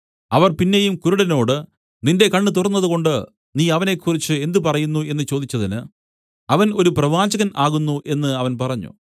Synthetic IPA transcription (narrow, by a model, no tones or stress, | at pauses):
ɐʋɐrpinːejumkuɾuɽɐno̞ːɽɨ | ninde̞kɐɳːɨt̪̬urɐnːɐðuɣo̞ɳɖɨ | niːɐʋɐne̞kʰːurit͡ɕːɨe̞nd̪upɐrɐjunːue̞nːɨt͡ɕo̞ːd̪it͡ɕːɐðinɨ | ɐʋɐno̞ɾuprɐʋaːd͡ʑɐɣɐnaːɣunːuʔe̞nːɨɐʋɐnpɐrɐɲːṵ